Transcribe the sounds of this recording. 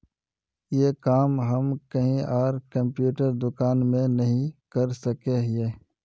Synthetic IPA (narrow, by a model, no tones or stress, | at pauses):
jeːkaːmɦɐmkɐɦĩʔaːɾkɐ̃mpjuːʈəɾd̪ʊkaːnmẽnɐɦĩkɐɾsəkeeː